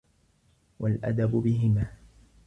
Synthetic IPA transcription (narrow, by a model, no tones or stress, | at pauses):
wʔalʔa̰d̪abʊbɪɦɪmaː